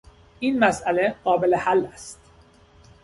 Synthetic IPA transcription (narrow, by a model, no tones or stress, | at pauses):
ʔiːnmæsʔæleɢɒːbelehælːæst̪̚